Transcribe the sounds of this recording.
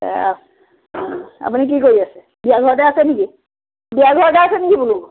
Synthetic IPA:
ɛ̰a̰ | a̰punik̬ikoɹiasɛ | biaɡʱɔɹɔt̬ɛasɛniki | biaɡʱɔɹɔtɛasɛnikibuluk

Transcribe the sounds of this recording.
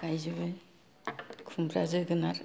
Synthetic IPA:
ɡajzɯβɯ | kʰumpʰɾa̰zɯɡɯnaɾ

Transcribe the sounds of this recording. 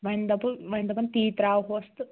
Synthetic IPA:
ʋɐnd̪ɐpuʋɐjnd̪ɐpɐnt̪iːt̪ɾaːɦoɐst̪ɨ

